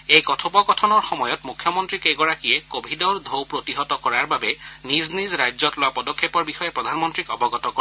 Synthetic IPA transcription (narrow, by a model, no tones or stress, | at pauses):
ejkɔtʰɔpɔkɔtʰɔnɔɹxɔmɔjɔtmukʰjɔmɔntɹikeɡɔɹakijɛkobʱidɔɹd̪ʱowpɹotiɦɔtɔkɔɹaɹbabɛniznizɹajzɔtlʊwapɔdɔkʰːepɔɹbixɔjɛpɹɔdʱanmɔntɹikɔbɔɡɔtɔkɔ